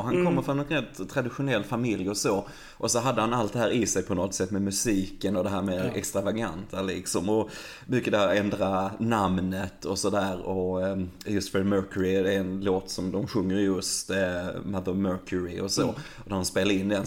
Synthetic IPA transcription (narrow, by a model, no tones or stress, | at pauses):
ɦankʰɔmːəɾfɾɔnɛnɾɛt̪ːt̪ʰːɾad̪ɪɧʊnɛlːfamɪljɔsoː | ʔɔsɔɦad̪ːəhanalt̪̚d̪ɛɦæːɾɪsɛjpʰɔnɔt̪sɛt̪ːmɛmɵsiːkənɔd̪ɛɦæːɾmeːɛ̰kst̪ɾavaɡant̪ʰalɪksɔmɔ | mʏkːəd̪ɛhæːɾɛnd̪ɾanamnət̪ɔsɔd̪æːɾɔ | jɵst̪fɛɾmœːkʉɾɪd̪ɛɛnloːt̪sɔmd̪ɔmɧɵŋːəɾɪjɵst̪mad̪əmːœːkʰʉɾɪɔsoː | ɔd̪ædɔnspeːlad̪əɪnːd̪ɛn